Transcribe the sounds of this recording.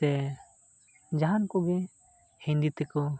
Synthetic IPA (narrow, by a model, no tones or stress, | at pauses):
ɛ | d͡ʒaɦankɔɡɛ | hĩnd̪it̪ɛkɔ